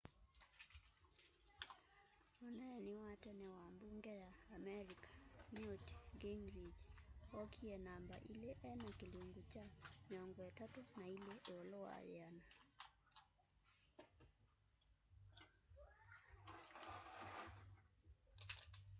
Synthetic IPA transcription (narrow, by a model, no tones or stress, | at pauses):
ɔnɛniwatɛnɛwambuŋɡɛjaːmɛɾikʰḁniɔtɡeŋɾid͡ʒɔkʰiɛnamba̰ʔilɛʔɛnakiluŋɡut͡ʃamiɔŋɡɔatatunailɛʔeɔlɔwa̰jana